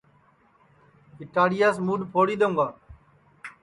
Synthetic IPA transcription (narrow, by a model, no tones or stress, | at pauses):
kɪʈaːɽijaːsmuːɖpʰoːɽiːd̪õːŋɡaː